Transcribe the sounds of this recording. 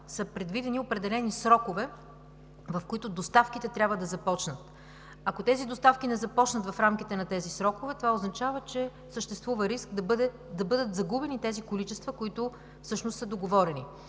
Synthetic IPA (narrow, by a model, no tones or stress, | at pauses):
səpɾɛd̪vid̪ɛniopɾɛd̪ɛlɛnisɾɔkovɛ | vɐfkoit̪ʊd̪ost̪afk̟ʲit̪ɛt̪ɾʲabvəd̪ɐzɐpɔt͡ʃnət̪ | ɐkot̪ɛzid̪ost̪afkʲinɛzɐpɔt͡ʃnət̪vɐfɾamk̟ʲit̪ɛnɐt̪ɛzisɾɔkovɛt̪ovaoznɐt͡ʃavət͡ʃɛ | səʃt̪ɛst̪vuvəɾiskd̪ɐbd̪ɛ | d̪ɐbɤd̪ət̪zɐɡubɛnit̪ɛzikolit͡ʃɛst̪vəkoit̪ʊ | fsɤʃnʊst̪səd̪oɡovɔɾɛnḭ